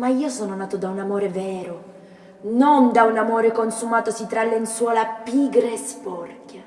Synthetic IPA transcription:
maiːosɔːnonaːt̪od̪aunamoːɾevɛːɾo | nond̪aunamoːɾekonsumaːt̪osit̪ɾalːenswɔːlapiɡɾeespɔrkja

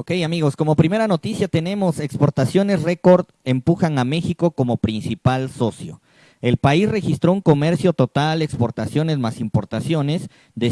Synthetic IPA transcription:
okejamiɣo̞sko̞mo̞pɾime̞ɾano̞t̪isjat̪e̞nẽ̞mo̞se̞kspo̞ɾt̪asjo̞ne̞sreko̞ɾd̪ | empuxaŋame̞xiko̞ko̞mo̞pɾinsipalso̞sjo̞̰ | e̞lpaisre̞xist̪ɾo̞uŋko̞me̞ɾsjo̞t̪o̞t̪alekspo̞ɾt̪asjo̞ne̞zmasimpo̞ɾt̪asjo̞ne̞s | d̪e

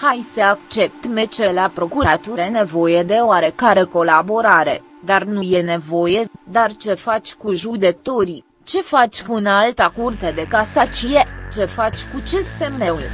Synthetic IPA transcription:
hajsəakt͡ʃe̞p̚t̪met͡ʃelapɾo̞kuɾat̪uɾene̞vo̞jed̪e̞oaɾe̞kaɾe̞ko̞labo̞ɾaɾe̞̰ | d̪arnuje̞ne̞vo̞je̞d̪art͡ʃe̞fat͡ʃʲkuʒud̪e̞t̪o̞ɾi | t͡ʃe̞fat͡ʃʲkuɨnalt̪akurt̪ed̪e̞kasat͡ʃijet͡ʃe̞fat͡ʃʲkut͡ʃesemneul

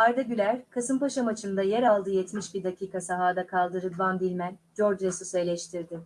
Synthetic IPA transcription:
aɾd̪aɟylʲæɾkʰasɯmpaʃamat͡ʃʰɯnd̪ajɛɾalˠd̪ɯːjɛt̪miʃbiɾd̪acʰiːkasaɦaːd̪akʰalˠd̪ɯɾɯband̪ilʲmænd͡ʒo̞ɾd͡ʒɾesuselʲɛʃt̪ʰiɾd̪ɪ

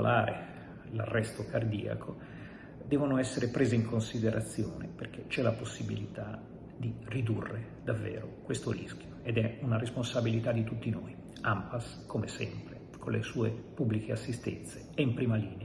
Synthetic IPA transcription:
lʔaːɾe | la̰rːɛst̪okard̪iːa̰kʰo | d̪ɛːvonoɛsːeɾepɾeːzeiŋkonsid̪eɾʔat̪sːjoːnḛperk̟et͡ʃɛlaposːibilit̪a | d̪irid̪urːe | d̪avːɛ̰ːɾo̰kwest̪oɾḭskjoed̪ɛunaɾesponsabilit̪ad̪ːit̪ut̪ːinoːi | ampas | komesɛ̰mpɾe | kʰonlesuːepubːlikeasːist̪ɛ̰nt̪seɛimpɾiːmaliːnea

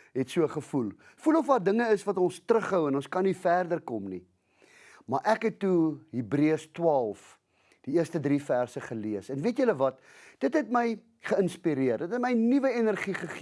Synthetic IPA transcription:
ɦɛtsuəχəfulˠ | fulɔfdɑːrdəŋəəsvɐtɔnstrəχəwɛnɔ̃nskɐnːifærdərkɔmni | mɐrʔækɦɛtːuɦibriəstwɑːlˠf | d̥iiərstədrifærsəχəliəsɛnviətjələvɐt | d̥ətɦɛtməj | χəənspiɾiərdətɦɛtməjnivəɛnərχiχəχ

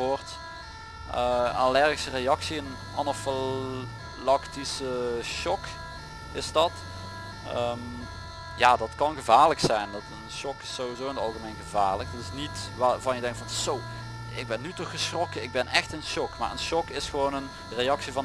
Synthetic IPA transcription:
ort | ʔəalɛrɣisərejɑksiən | anofɪ | lɑktisəʃɔk | ɪsdɑt | əm | jaːdɑtkɑnɣəvaːrləksɛjndɑtənʃɔkɪ̥sːowizowɪnətɑlˠɣəmejnɣəva̰ːrlək̚dɑtɪsnitʋavɑnjədɛŋktfɑnsow | ɪɡ̚bɛnːytɔxəsxrɔkəɪɡ̚bɛnɛxtɪnʃɔkma̰ːɹə̰nʃɔkɪsxəʋoːnən | rejɑksivɑn

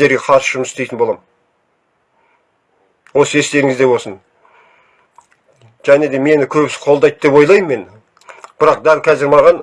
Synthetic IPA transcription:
e̞ɾɡʲe̞qʰɑɾsəʒʊməsɪst̪e̞jt̪ɪnbolˠɑm | wo̞səe̞st̪e̞ɾɪŋɪzd̪e̞wo̞sən | ʒ̥æne̞d̪e̞me̞nɪkʲʰɵbɪsɪ̥qʰolˠd̪ɑjt̪̚d̪e̞pwo̞jlˠɑjmːe̞n | b̥ɪɾɑq̚d̪ælʲkʲʰæzɪɾmɑʁɑn

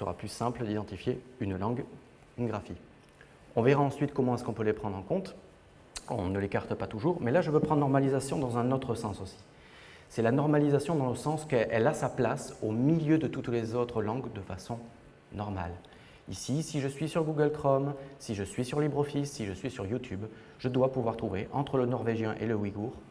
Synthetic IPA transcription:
sə̰ʁa̰plysɛ̃pləd̪id̪ɑ̃t̪ifjeynlɑ̃ɡ | ynɡʁafi | ɔ̃veʁaɑ̃sɥit̪kɔmɑ̃ɛskɔ̃pølepχɑ̃d̪ʁɑ̃kɔ̃t̪ | ɔ̰̃nəlekaʁt̪əpat̪uʒuʁmɛlaʒəvøpχɑ̃d̪nɔʁmalizasjɔ̃d̪ɑ̃zɛ̃not̪χəsɑ̃sosi̥ | sɛlanɔʁmalizasjɔ̃d̪ɑ̃ləsɑ̃skɛʔɛlasaplasomiljød̪ət̪ut̪lezot̪χəlɑ̃ɡd̪əfasɔ̃ | nɔʁma̰l | ḭsisiʒəsɥisyʁɡuɡəlkχɔmsiʒəsɥisyʁlibʁɔfisːiʒəsɥisyʁjut̪ʰyb | ʒəd̪wapuvwaʁt̪χuveʔɑ̃t̪χələnɔʁveʒjɛ̃ʔeləwiɡuʁ

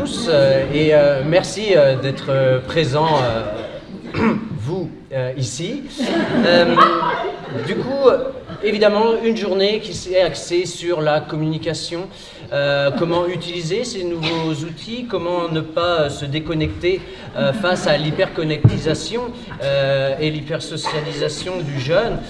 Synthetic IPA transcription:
usøeømɛʁsiød̪ɛt̪χəpχezɑ̃ø | vu | øisi | ø | d̪ykuevid̪amɑ̃ynʒuʁnekʲisɛaksesyʁlakɔmynikʲasjɔ̃ | økɔmɑ̃yt̪ilizesenuvozut̪ʰikɔmɑ̃nəpaøsəd̪ekɔnɛkt̪e | øfasalipɛʁkɔnɛk̚t̪izasjɔ̃ | øelipɛʁsɔsjalizasjɔ̃d̪yʒœn

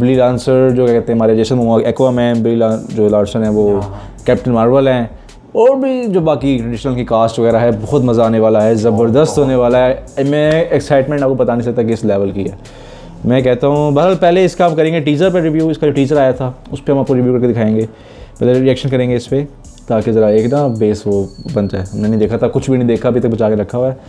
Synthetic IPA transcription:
bɪlilãːnsəɾd͡ʒoːkakɛɦt̪eɦɛɦɐmaːɾed͡ʒeːsənmʊaekʋamɛ̃ːnbɪlilad͡ʒoːlaːɖsənɦɛ̃ʋoː | kɛːp̚ʈənmaːɾʋəlɦɛ̃ | ɔːɾbʱid͡ʒoːbaːkiʈɾɛɖɪʃnəlkikaːsʈʋɐɣɛːɾaɦɛbɐxʊt̪mɐzaːneʋaːlaɦɛzɐbəɾd̪əst̪ɦoːneʋaːlaɦɛmɛ̃ɛksaːɪʈmɛ̃ɳʈaːp̚kopɐt̪anĩsɐk̚t̪akiɪslɛːʋəlkiɛ̰ː | mɛ̃k̬ɛːɦt̪aɦũbɐɦəɾɦaːlpɛːleɪskaːpkɐɾẽːŋɡeʈiːzəɾpeɾɪʋjuːɪskad͡ʒoːʈiːd͡ʒəɾaːjat̪ʰa | ʊspeɦɐmaːp̚koɾɪʋjuːkɐɾked̪ɪkʰaːẽːŋɡeː | pɛːleɾiɛːkʃənkɐɾẽːŋɡeɪspe | t̪aːkezɐɾaeːknabeːsʋobɐ̃nd͡ʒaːeɐmnenɐɦĩd̪eːkʰat̪ʰakʊt͡ʃʰbʱinɐ̃ɦĩd̪eːkʰaɐbʱit̪ɐk̚bɐt͡ʃaːkeɾɐkʰːaɦoɛː

